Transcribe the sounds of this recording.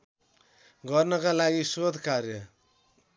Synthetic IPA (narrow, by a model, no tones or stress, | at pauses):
ɡʌrnʌkalaɡisod̪ʱkarjʌ